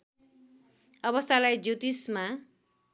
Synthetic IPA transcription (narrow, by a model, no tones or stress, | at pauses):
ʌβʌst̪ʰalajd͡zjut̪isma